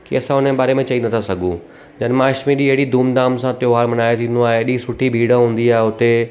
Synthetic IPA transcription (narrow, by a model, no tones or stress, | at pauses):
kḭɐsãɦʊnəɓaːɾemẽt͡ɕɐĩnt̪ʰasɐɡʱũ | d͡ʑɐnmãːʃmĩɗiɐɦɪɽid̪ʱuːmd̪aːmsãt̪joɦaːɾmɐnaːet̪ʰĩːnd̪oaːɦeɗĩsʊʈʰibʱiːɽ̤ə̃ɦũːn̆d̪iaːɦeʊt̪e